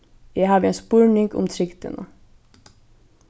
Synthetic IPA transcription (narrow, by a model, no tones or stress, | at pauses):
jæɪhɑːʋɛːnspʊɹɳɪŋɡʊ̰mt̪ʰɾɪkt̪ə̰nə̰